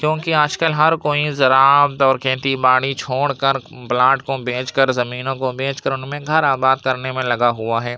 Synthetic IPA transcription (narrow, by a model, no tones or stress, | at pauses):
kjõːkiaːd͡ʒkəlɦɐɾkoːizɐɾaːbt̪ɔːɾkẽːt̪ibaːɽit͡ʃʰoːɽkəɾblaːʈkobʱẽːt͡ʃkəɾzɐmiːnõkobʱẽːt͡ʃkəɾʊnmẽɡʱɐɾaːbaːd̪̚kɐɾnemẽlɐɡaɦuaɦɛː